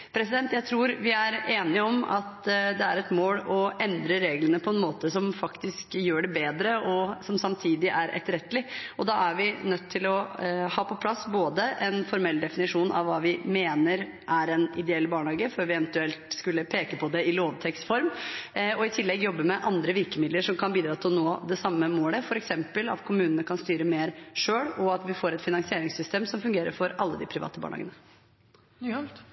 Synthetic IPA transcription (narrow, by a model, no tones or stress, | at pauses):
pʰɾɛsɪd̪ɛnt̪jæɪt̪ʰɾuːɾʋɪæɾeːnɪəɔmɑ̰t̪d̪ɛæɾɛt̪moːlɔʔɛnd̪ɾəɾeːɡlənəpʰɔɛnmoːt̪əsɔmfɑkt̪ɪskjøːɖɛbeːd̪ɾəʔɔsɔmsɑmt̪ʰiːd̪ɪʔæɾʔɛ̰t̪ːəɾɛt̪ːəlɪʔɔd̪ɑːæɾʋɪnœt̪ʰːɪlɔhɑːpʰɔpʰlɑsːboːd̪əʔɛnfɔɾmɛlːd̪ɛfɪnɪʂuːnʔɑ̰ʋʋːɑːʋɪmeːnəɾ | ʔæɾɛnɪd̪ɛɛlːbɑːɳhɑːɡəføːɾʋɪɛʋənt̪ʉɛlt̪skʉlːəpʰeːkəpʰɔd̪ɛɪloːʋt̪ʰɛksfɔɾmɔɪt̪ʰɪlːɛɡjɔbːəmɛʔɑnd̪ɾəʋɪɾkəmɪd̪ləɾʂɔmkʰɑnbiːd̪ɾɑːt̪ʰɪlnoːd̪ɛsɑmːəmoːləfɔɾɛksɛmpəlɑ̰t̪kʰʊmʉːnənəkʰɑnst̪yːɾəmeːɾʂøːɽɔɑt̪ʋɪfoːɾɛt̪fɪnɑŋsɪeːɾɪŋsʏst̪eːmsɔmfʉŋɡeːɾə̰ɾfɔɾʔɑlːəd̪ɪ̰pʰɾɪʋɑ̰ːt̪əbɑ̰ːɳɑ̰ːɡə̰nə